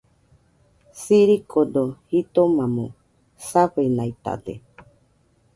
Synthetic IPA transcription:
siɾikod̪ohit̪omãmõ | saɸenajt̪a̰d̪ḛ

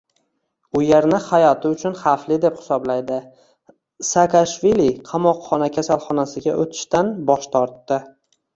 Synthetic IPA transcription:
ʊjeɾnɪhajɒt̪ʰɪʊt͡ʃʰʊnχaflɪd̪e̞phɪ̥sɒblajd̪ɪ | sakʰaʃviliqʰɑmɒqχɒnakʲʰasalˠχɒnasɪɡʲaʔot̪ʰɪ̥ʃt̪anbɒʃt̪ʰɒɾt̪ːɪ

